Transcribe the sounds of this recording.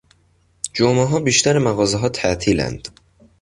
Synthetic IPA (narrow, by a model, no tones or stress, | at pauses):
d͡ʒomeɦɒːbiːʃt̪æɾemæɣɒːzeɦɒːt̪ʰæʔt̪ʰiːlæ̰nd̪̥